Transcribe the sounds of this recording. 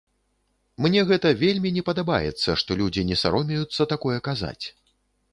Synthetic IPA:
mnʲɛɣɛt̪ɐvʲelʲmʲinʲɛpɐd̪aba̰jɛ̰t̪sːɐʂt̪ɔlʲud͡zʲinʲɛsa̰ɾɔmʲɛjut̪sːɐt̪akɔjɛkaza̰t͡sʲ

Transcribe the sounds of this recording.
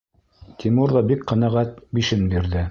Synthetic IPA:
t̪ʰimuɾðɑbikqɤ̆næʁæt̪̚biʃɘnbiɾðɘ

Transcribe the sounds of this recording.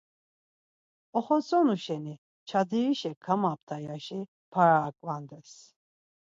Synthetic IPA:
ɔχɔsʼɔnuʃɛni | t͡ʃʰad̪iɾiʃɛkʰamap̚t̪ʰajaʃi | pʰaɾaːkʼvand̪ɛs

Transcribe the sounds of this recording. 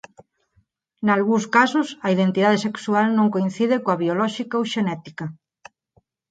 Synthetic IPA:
nalɣũskasʊsɐiðent̪iðað̞eseksualnõŋkoin̟θiðɪkõɐβiolɔʃikaowʃenɛt̪ika

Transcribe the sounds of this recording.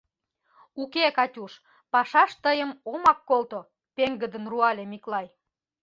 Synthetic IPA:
ukekɑtʲuʃ | pɑʃɑʃt̪əjəmomɑkːolt̪o | peŋɡəd̪ənruɑlʲemiklɑj

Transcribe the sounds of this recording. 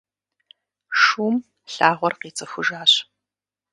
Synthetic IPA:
ʂuːm | ɬaːʁʷɔrqiːt͡sʼɨxʷʊʒaːɕ

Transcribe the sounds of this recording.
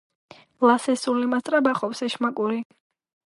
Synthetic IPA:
lasɛsulimast̪ʼɾabaχɔpsɛʃmakʼuɾi

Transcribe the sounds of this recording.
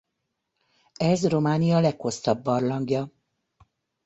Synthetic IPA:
ɛzro̞maːnijɒlɛkho̞st̪ɒbːɒrlɒŋɡjɒ

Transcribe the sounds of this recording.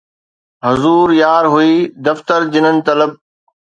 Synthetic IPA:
ɦʊzuːɾjaːɾɦuiːd̪ɐft̪əɾd͡ʑɪnənɪ̆t̪ɐləb̚

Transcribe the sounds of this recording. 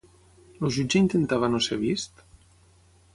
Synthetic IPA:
loʒud͡ʒeint̪ent̪aβanoseβ̞ist̪

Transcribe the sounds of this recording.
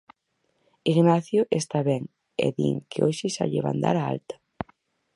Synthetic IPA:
iɣnaθjʊʔest̪aβɛŋ | ɛ̰ðḭŋkeoʃɪʃaʎeβa̰nd̪a̰ɾaa̰lt̪ḁ

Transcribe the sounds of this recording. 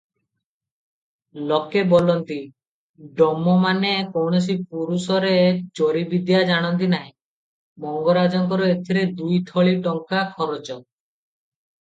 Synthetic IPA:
lɔkebɔlɔnt̪i | ɖɔmːɔmanekownos̬ipuɾusɔɾed͡ʒoɾibid̪jad͡ʒaɽ̃ɔnt̪̬inaɦĩ | mɔŋɡɔɾad͡ʒɔŋkɔɾɔet̪ʰiɾed̪ujt̪ʰɔɭiʈɔŋkakʰɔɾɔt͡ʃɔ

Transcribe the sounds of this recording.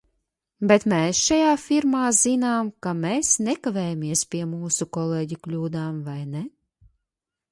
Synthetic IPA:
bet̪meːsʃajaːfʲiɾmaːzinaːmkameːsnɛkavɛːjamiɛspʲiɛmuːsukɔleːɟuklʲuːd̪aːmvajne

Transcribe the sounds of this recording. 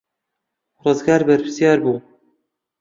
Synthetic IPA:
rɨzɡɑːɾbæɾpʰɨ̥sjɑːɾbuː

